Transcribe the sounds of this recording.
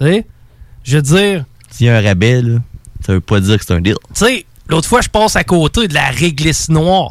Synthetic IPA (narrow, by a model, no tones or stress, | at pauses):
e | ʒəd͡zziːʁ | jɛ̃ɛ̃ʁabɛlsavøpʌd͡ziːʁkset̪œ̃d̪ɪ̰lselot̪χfwaʒəpɑːsakoːt̪ed̪əlaʁeɡlɪsnwɑːʁ